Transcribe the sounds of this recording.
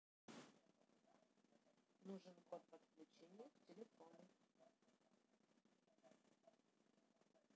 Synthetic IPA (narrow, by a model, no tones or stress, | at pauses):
nuʐɨnɡot̪vət̪̚klʲʉt͡ɕenʲɪjəktʲɪlʲɪfonʊ